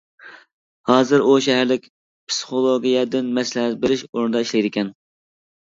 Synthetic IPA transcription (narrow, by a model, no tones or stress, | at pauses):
hɑːzɨɾuʃɛɦæɾlɪkʲ | pʰsɨ̥χolˠoɡʲijɛd̪ɪnmɛslɛɦæt̪̚beɾɪʃoɾnɨd̪ɑiʃlɛjd̪ɪkʲʰɛn